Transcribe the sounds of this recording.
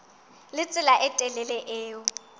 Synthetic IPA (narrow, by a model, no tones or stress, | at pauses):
lɪt͡sʼɪlaʔɛtʼɛlɛlɛʔeːʊ